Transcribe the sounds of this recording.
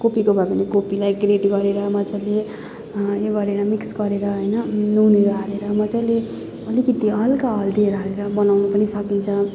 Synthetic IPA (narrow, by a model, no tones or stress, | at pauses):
kopikobʱabʌnekopilajɡreʈɡʌɾeɾʌmʌd͡zale | joɡʌɾeɾʌmiksɡʌɾeɾʌɦojnʌnuneɾʌaɾeɾʌmʌt͡sale | ʌlikʌt̪iɦʌlkaɦʌld̪ieɾʌɦʌleɾʌbʌnawnupʌnisʌkint͡sʰʌ